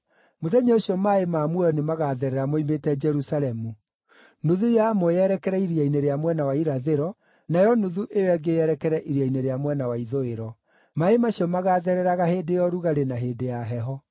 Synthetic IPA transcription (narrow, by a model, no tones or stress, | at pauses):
moðɛɲeoɕiɔmaemamwɔnemaɣaðɛɾɛɾamoimetɛd͡ʒɛɾusalɛmu | noðujamɔjɛɾɛkɛɾɛiɾiaineɾeamwɛnawaiɾaðeɾɔ | najɔnoðuʔejowɛɡejɛɾɛkɛɾɛʔiɾiaineɾeamwɛnawaiðoeɾɔ | maemaɕiɔmaɣaðɛɾɛɾaɣahedejɔɾuɣaɾenaɦeːdejaɦɛɦɔ